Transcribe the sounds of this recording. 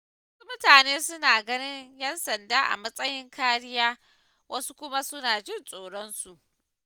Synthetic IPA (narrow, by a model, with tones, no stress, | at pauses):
wɐ˦su˦mʊ˦taː˨neː˦sʊ˦naː˨ɡɐ˦nɪ˦ɲjɛ˦nsɐ˨ndaː˦ʔa̰˨mɐ˦sʼɐ˦jɪ˦ŋkʰaː˦ɽɪ˦jaː˦ | wʔɐ˦su˦kʷʊ˦ma˦sʊ˦naː˨d͡ʒɪ˦nsʼoː˨ɽɔ˦nsu˨ʔ